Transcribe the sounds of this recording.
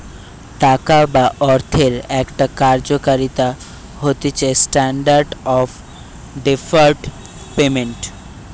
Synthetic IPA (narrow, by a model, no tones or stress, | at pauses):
t̪akabaʔɔɾt̪ʰeɾɛkʈakaɾd͡ʑokaɾit̪a | ɦot̪et͡ɕaesʈaɳɖaɾɖɔf | ɖefaɾɖ | pemeɳʈ